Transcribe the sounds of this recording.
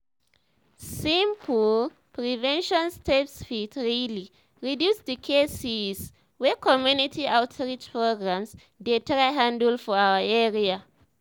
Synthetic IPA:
sĩmpʰul | pɹivɛ̃nʃɔ̃nstʰepsfitɹili | ɹidjusdəkʰesiz | wɛkʰɔmjunitʰiawtʰɹit͡ʃpɹoɡɹãms | detʰɹaɦãndəlfɔawəɛɹia

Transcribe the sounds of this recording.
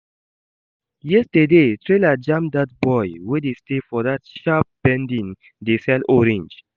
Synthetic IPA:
jɛstədetɹelad͡ʒãmdat̚bɔjwedestefɔðatʃap̚b̥ɛ̃ndĩn | desɛlɔɹɛ̃nd͡ʒ

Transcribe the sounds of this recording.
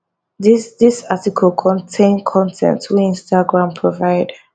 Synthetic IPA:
didisatikʰɔlˠkʰɔ̃ntʰẽɪnkʰɔ̃ntʰɛ̰̃ntʰwiĩnstaɡɹãmpʰɹɔvaɪd

